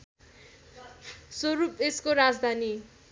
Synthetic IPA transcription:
soɾupeskoɾad͡zd̪ʱani

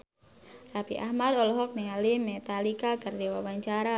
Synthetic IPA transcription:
rapiʔaɦmad̪ɔlɔɦɔk̚niŋalimɛt̪alikakardiwawaɲt͡ʃaɾa

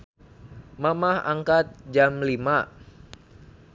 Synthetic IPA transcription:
mamaha̰ŋkat̪̚d͡ʒamlima

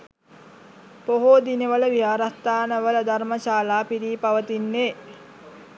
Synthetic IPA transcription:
poɦod̪ineʋələʋijaːɾast̪aːnəʋələd̪arməʃaːlaːpiɾiːpaʋət̪inːeː

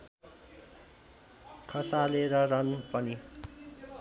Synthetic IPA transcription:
kʰʌsaleɾʌrʌnpʌni

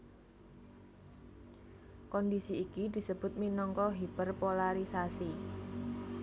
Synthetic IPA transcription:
kɔndisiːkid̪̥i̤səb̥ʊ̤t̪̚minɔŋkɔɦib̥ərpolaɾisasi

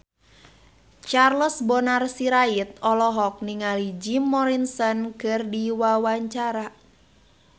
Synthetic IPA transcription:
t͡ʃarləsbɔnarsiɾait̪̚ɔlɔɦɔk̚niŋalid͡ʒimːɔɾinsɔnkɨrdiwawaɲt͡ʃaɾa

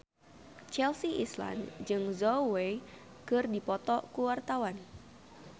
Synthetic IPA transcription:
t͡ʃɛlsiʔisla̰nd͡ʒɨŋzɔwe | kɨrdipɔt̪ɔkuwart̪awan

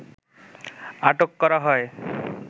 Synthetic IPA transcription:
aʈokːɔɾaɦɔe

